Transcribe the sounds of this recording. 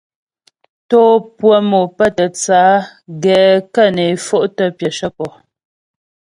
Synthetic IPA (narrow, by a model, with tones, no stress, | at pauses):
toː˦pwə˦mo˨pə˦˨tə˨t͡saː˨˦ɡɛː˨kə˦˨ne˨˦fo˦˨ʔtə˦pjə˨ʃə˦kɔ˨